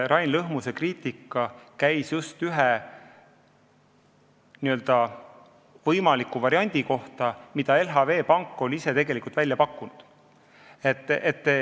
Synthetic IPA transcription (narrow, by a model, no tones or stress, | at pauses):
ɾɑjnlɤɦmuse̞kriːt̪ikːˑɑkæjsjust̪yɦe | niø̞ld̪ɑ | vɤjmɑlikːˑuvɑɾiɑnʲd̪̥iko̞ht̪ɑmid̪̥ɑe̞lɦɑve̞ːpɑŋkːˑolʲise̞t̪e̞ɡ̥e̞likult̪vælʲjɑpɑkːˑunud̪̥ | et̪ːˑet̪ːe